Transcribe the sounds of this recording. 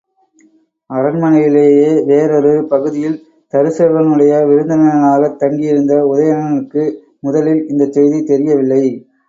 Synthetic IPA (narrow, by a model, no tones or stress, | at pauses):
ɐɾɐnmɐnɐjɪleːjeːʋeːɾɔɾɯpɐɣɯðɪjɪl | t̪ɐɾɯseːʋɐŋɯɽɐjɐʋɪɾɯnd̪ɐnɐɣɐɭaːɣɐt̪ːɐŋɡɪjɪɾɯnd̪ɐʊðɐjɐnɐɭɯkːɯ | mʊðɐlɪlɪnd̪ɐt̪ːɛjðit̪ɛɾɪjɐʋɪlːɐɪ